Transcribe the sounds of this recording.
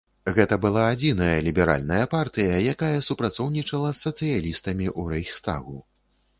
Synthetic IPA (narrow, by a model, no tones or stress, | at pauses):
ɣɛt̪ɐbɨlˠaːd͡zʲinɐjɐlʲibʲɛɾa̰lʲnɐjɐpart̪ɨjɐjakajɐsupɾat̪sɔwnʲit͡ʂɐlˠɐsːɐt̪sɨjalʲist̪ɐmʲiʔuɾɛjxst̪a̰ɣu